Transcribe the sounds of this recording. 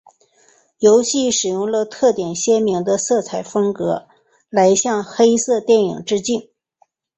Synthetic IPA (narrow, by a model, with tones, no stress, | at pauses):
jo˧˥ʊɕi˥˩ʂɻ̩˨˩jʊ˥˩ŋlə˧t̪ʰɤ˥˩t̪jɛ˨˩nɕjɛ˥mi˧˥ŋd̪ə˧sɤ˥˩t͡sʰa˧˥ɪfɤ˥ŋkɤ˧˥ | la˧˥ɪɕjɑ˥˧ŋxe˥ɪsɤ˥˧t̪jɛ˥˩nḭ˨˩ŋʈ͡ʂɻ̩˥t͡ɕi˥˩n